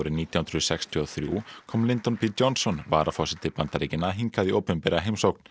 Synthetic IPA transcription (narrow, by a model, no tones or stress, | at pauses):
ɾɪniːt̪jahʏnɾʏsɛkst̪ʰiɔθɾjṵkʰɔːmlɪnt̪ɔnpʰiːd͡ʒɔnsɔnvaːɾafɔsɪt̪ɪpant̪aɾecɪnaɦiŋkaðioːwpʏmpɛːɾaɦejmsowkn̥